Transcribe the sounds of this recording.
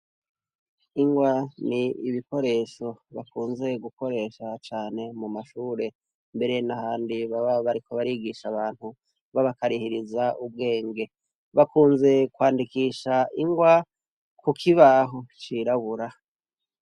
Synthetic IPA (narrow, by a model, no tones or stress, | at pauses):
iŋɡwaniiβiko̞ɾe̞ʃo̞βakuːnze̞ɡuko̞ɾe̞ːʃat͡ʃaːne̞mumaʃuːɾe̞ | mbe̞ɾe̞nahaːndiβaβaβaɾikʰo̞βaɾiɡiʃaβaːn̥hu | βaβakaɾihiɾizaub̚ɡe̞ːŋɡe̞ | βakuːnze̞kwaːndikiːʃaiŋɡwa | kukʰiβaːɦot͡ʃiɾaβuɾa